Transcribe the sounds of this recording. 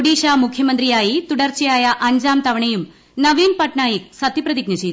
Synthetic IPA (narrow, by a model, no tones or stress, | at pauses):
oɽiːʂaːmukʰjɐmɐnd̪rijaːjit̪uɽɐrt͡ɕɐjaːjɐʔɐɲd͡ʑaːmt̪ɐʋɐɳɐjum | nɐʋiːnpɐʈɳaːjik̚sɐt̪ʰːiprɐðiɡ̚nɐt͡ɕeː